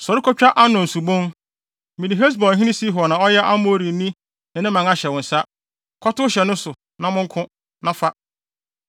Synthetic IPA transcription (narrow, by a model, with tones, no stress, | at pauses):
sɔ˨ɾɪ˦kʰɔ˦t͡ɕᶣa˦ʔa˦nʊ̃˨n̩˨su˨bõ˦n | mĩ˨nĩ˨ɦe˦s̬bɔ˨ɦĩ˦nɪ̃˦si˦ɦnã˨ɔ˦jɛ˦ʔa˦mo˦˨ɾi˨˦nĩ˦ | nɪ̃˨nɪ̃˦mã˨ŋa˦ɕɛ˨wʊ̃˨n̩˨sa˦ | kʰɔ˦tʊ˦ɕɛ˨nʊ̃˦sʊ˨ | nã˦mʊ̃˦ŋ˦kʰʊ̃˦ | nã˨fa˦